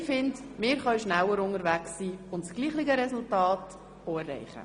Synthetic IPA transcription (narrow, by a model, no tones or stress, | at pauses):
fɪndmɪːɾχœɥʃnælːəɾʊnəɾʋæksiːʊntsɡ̥liːχlɪɡəɾɛsʊltɑːt | oɛrːɛ̰ɪχə̰